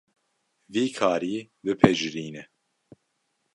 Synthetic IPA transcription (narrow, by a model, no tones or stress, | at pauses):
viːkʰaːɾiː | bɨpʰɛʒɾiːnɛ